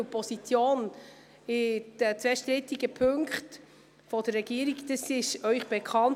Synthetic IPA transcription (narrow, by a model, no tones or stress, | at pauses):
əpɔsit͡sjoːn | ɪd̥ət͡sʋɛʃtɾɪtiɡəpʰɵŋkχt | fɔd̥ərːɛɡ̥iːəɾiɡdɑsɪʃœʏχb̥ekʰχɑn